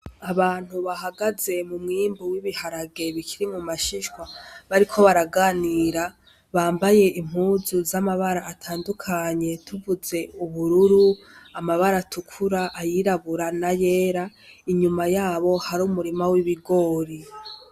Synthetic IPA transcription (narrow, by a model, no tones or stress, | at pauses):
aβaːn̥huβahaɡaze̞mumŋiːmbuwiβihaɾaɡe̞βikʰiɾimumaʃiʃkwaβaɾikʰo̞βaɾaɡaːniːɾa | βaːmbaje̞ʔim̥huːzuzamaβaɾaːtʰaːndukʰaɲe̞tʰuvuze̞uβuɾuɾu | amaβaɾatukʰuɾaʔːjiɾaβuɾanaje̞ːɾaiɲumajaːβo̞haɾuːmuɾimawiβiɡo̞ːɾi